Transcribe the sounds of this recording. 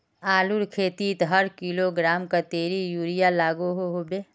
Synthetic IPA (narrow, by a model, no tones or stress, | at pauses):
aːluɾkʰeːt̪it̪ɦəɾkiːloɡɾaːmkat̪eːɾijuːɾijalaːɡoɦoɦobeː